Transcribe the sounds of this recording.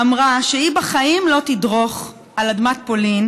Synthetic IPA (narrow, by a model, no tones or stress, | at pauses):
amʁaʃeibaχaimlo̞t̪idʁo̞χ | aladmat̪̚polin